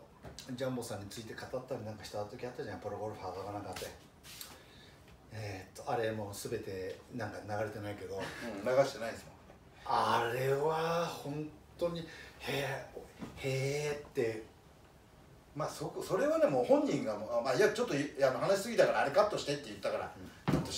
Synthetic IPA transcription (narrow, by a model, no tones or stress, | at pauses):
d͡ʑãmbo̞sãɲ̟ːit͡sɨit̪e̞kat̪at̪ːaɾʲinãŋkaçi̥t̪oat̪o̞kʲiat̪ːaʑanãpoɾoɡoɾɯ̟ɸaːd̪oɡanãŋkat̪ːe | et̪ːo̞aɾe̞mo̞ːsɨbe̞t̪e̞nãŋkanaɡaɾe̞t̪e̞naike̞d̪õ̞naɡaɕi̥t̪e̞naid̪smõn | aɾe̞βahõ̞nt̪o̞ɲ̟ihe | heːt̪ːe̞ | maːsokoso̞ɾe̞βane̞mo̞ːhõ̞ɲ̟ːĩŋɡamoamaiat͡ɕo̞t̪ːoanoɦanaɕi̥sɨɡʲit̪akaɾaːɾekat̪ːo̞ɕi̥t̪et̪ːe̞jɯ̟t̪ːakaɾa̰t͡ɕot̪ːo